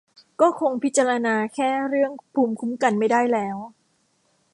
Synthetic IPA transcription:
kɔː˥˩kʰo˧ŋpʰi˦˥t̪̚t͡ɕa˧ɾa˧naː˧kʰɛː˥˩ɾɯ˥˩əŋpʰuː˧mkʰu˦˥mka˧nma˥˩jdaː˥˩jlɛː˦˥w

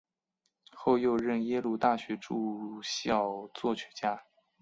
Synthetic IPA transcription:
xo˥˧ʊjo˥˧ʊɻə˥˩njɛ˥lu˥˧t̪a˥˩ɕɥɛ˧˥ʈ͡ʂu˥˧ɕjɑ˥˩ʊt͡swɔ˥˩ɕʰɥɛ˧˥t͡ɕja˥

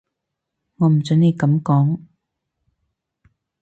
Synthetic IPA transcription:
ŋɔː˨˧m̩˨˩t͡sœ˨˥ne˨˧jkɐ˨˥mkɔː˨˥ŋ

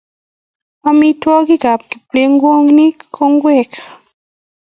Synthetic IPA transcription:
ɔ˦mi˦twɔ˦ɡi˦ɡa˨p̚ki̥˨ple˦ŋɡwo˦ŋni˦kʰo˦ŋɡwɛ˦˨kḁ˨

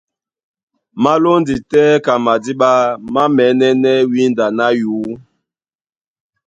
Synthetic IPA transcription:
ma˦lo˦ndi˨tɛː˦ka˨ma˨di˦ɓa˦ma˦mɛ˨˦nɛ˦nɛ˦wi˦nda˨na˦juː˨˦

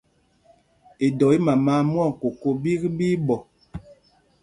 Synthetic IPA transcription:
e˨dɔ˨i˦ma˨maː˨˦m˦ɔ˦˨ŋ̩˨ko˨ko˦bi˦ɣbiː˦bɔ˨

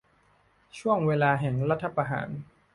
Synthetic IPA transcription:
t͡ɕʰu˥˩əŋweː˧laː˧ɦɛ˨˩ŋɾa˦˥t̪ʰːa˧pa˧ɦa̰ː˩˦n

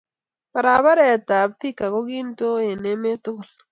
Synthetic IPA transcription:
ba˨ɾa˨βa˦ɾɛ˨ta˨bθi˦ka˨ɣo˦ɣiː˦nto˦e˨ne˦me˦tu˦˨l

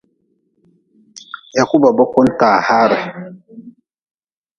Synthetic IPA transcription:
ja˨ku˦ba˨bo˦ko˦nta˨ha˦ɾa˨

